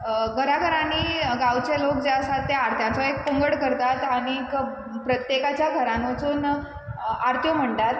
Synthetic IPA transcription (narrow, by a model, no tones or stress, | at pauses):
ɡəɾaɡəɾãniːɡawt͡ɕelok̚d͡ʑeəsat̪ːeaɾt̪ʰjãnt͡sɔek̚pəŋɡəɽkəɾt̪at̪aɽ̃ik | pɾət̪jekat͡ɕjaɡʱəɾãnət͡suːn | aɾt̪ʰjɔm̤əɳʈat̪